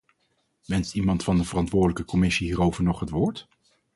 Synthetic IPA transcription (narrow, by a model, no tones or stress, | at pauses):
ʋɛnstimɑntfɑndəvərɑntʋʊːɹdələkəkɔmɪsiɦiːrowvəɹnɔχɦətʋʊːɹt